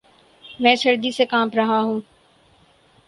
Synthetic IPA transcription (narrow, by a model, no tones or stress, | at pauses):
mɛ̃ːsɐɾd̪isekãːmpɾɐɦaɦũː